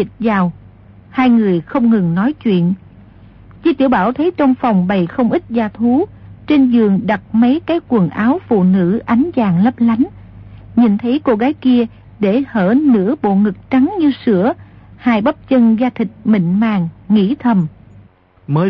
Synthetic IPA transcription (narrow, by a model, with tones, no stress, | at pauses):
i˨˩t̚zaː˨˩w | haː˧jŋɨ˨˩əjxə˧wŋ͡mŋɨ˨˩ŋnɔ˨˦jt͡ɕwḭ˧˨ən | t͡ɕi˧˥t̪i˧˩əwɓaː˧˩wt̪ʰə˨˦jt͡ɕɔ˧wŋ͡mfɔ˨˩wŋ͡mɓə˨˩jxə˧wŋ͡mʔi˦˥t̚zaː˧t̪ʰu˨˦t͡ɕe˧nzɨ˨˩əŋɗa˨˩t̚mə˨˦jkaː˨˦jkwə˨˩ŋʔaː˨˦wfṵ˧˨nɨ̰˧˥ʔa˨˦jŋ̟zaː˨˩ŋlə˦˥p̚la˨˦jŋ̟ | ɲi˨˩nt̪ʰə˨˦jko˧ɣaː˨˦jki˧ə | ɗe˧˩həː˧˩nɨ̰˧˥əɓo̰˧˨ŋɨ˨˩k̚t͡ɕa˨˦ŋɲɨ˧sɨ̰˧˥əhaː˧jɓə˦˥p̚t͡ɕə˧nzaː˧t̪ʰï˨˩k̟̚mḭ̈˧˨ŋ̟maː˧˩ŋːḭ˧˥t̪ʰə˨˩m | məː˨˦